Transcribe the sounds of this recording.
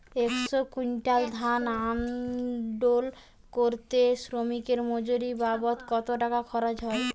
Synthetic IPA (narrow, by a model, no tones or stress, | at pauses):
eksokuɲʈald̪ʱanam | ɖol | koɾt̪esɾomikeɾmod͡ʑoɾibabot̪kɔt̪oʈakakʰɔɾad͡ʑɦɔe